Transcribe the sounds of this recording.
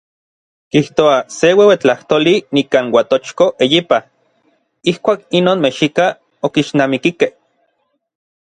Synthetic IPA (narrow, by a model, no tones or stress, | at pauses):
kiht̪oasewewet͡ɬaht̪oːlinikaːnwat̪ot͡ʃkoʔejipa | ihkʷaːkinoːnmeʃika | okiʃnaːmikikeh